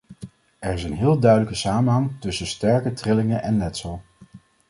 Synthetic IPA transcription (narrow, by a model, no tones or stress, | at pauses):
ɛɹɪsənɦɪːlˠdœɥdələkəsaːmənɦɑŋtɵsəstɛɹkətrɪlɪŋəʔɛnlɛtsəlˠ